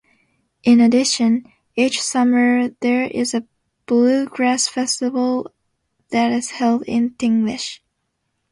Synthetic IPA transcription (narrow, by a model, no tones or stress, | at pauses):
ʔɪ̃nɨdɪʃɨ̃n | it͡ʃsʌmə˞ðə˞ɪ̰zɨ | b̥lʉɡɹæsfɛstɨvl̩ˠ | ðɨɾɪz̥hɛlˠdɪ̰̃ntɪ̃ŋɡlɪʃ